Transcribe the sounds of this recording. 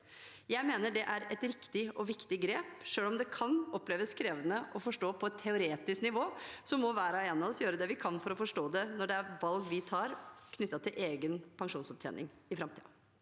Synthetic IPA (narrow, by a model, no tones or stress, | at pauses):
jæɪmeːnəɖɛʔæɾɛt̪ɾɪkt̪ɪɔʋɪkt̪ɪɡɾeːpʂøːlɔmd̪ɛkʰɑnɔpːleːʋəskʰɾeːʋənəʔɔfɔʂʈoːpʰɔɛt̪ʰːɛʊɾeːt̪ɪsknɪʋoːsɔmːɔʋæːɾɑeːnɑɔsjøːɾəd̪ɛʋɪkʰɑnfɔɾɔfɔʂʈoːd̪ɛnɔɖɛæɾʋɑlɡʋɪt̪ʰɑːɾkʰnʏt̪ːɑt̪ʰɪlʔeːɡənpʰɑŋʂuːnsɔp̚t̪ʰɛ̰ːnɪ̰ŋɪfɾɑmt̪ʰḭːɑ̰